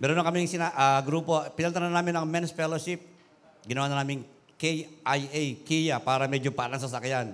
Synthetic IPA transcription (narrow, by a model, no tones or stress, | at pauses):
mɛɾunakɐmiŋsɪnaʔaɡɾuːpopɪnɐlnt̪ananaːmɪnɐŋmɛnsfɛloʃip̚ | ɡɪnɐwaːnɐnaːmɪŋ | kɛjʔajɛjkijapaːɾɐmɛd͡ʒopaʔlɐŋs̬ɐsɐkjan